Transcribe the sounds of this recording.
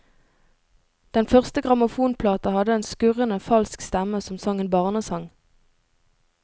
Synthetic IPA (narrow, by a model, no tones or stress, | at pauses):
d̪̥ɛnfœʁst̪əɡʁɑmʊfuːnpʰlɑːt̪ɑhɑd̪əeːnskʉʁənəfɑlskst̪ɛməsɔmsɑŋənbɑːʁnəsɑŋ